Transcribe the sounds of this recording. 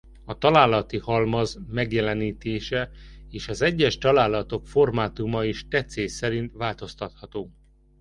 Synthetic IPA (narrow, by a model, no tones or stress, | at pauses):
ɒt̪ɒlaːlːɒt̪ihɒlmɒzmɛɡjɛlɛniːt̪eːʃɛeːʃɒzɛɟːɛʃt̪ɒlaːlɒt̪o̞kfo̞rmaːt̪umɒiʃt̪ɛt̪seːsɛɾint̪ʋaːlt̪o̞st̪ɒt̪hɒt̪oː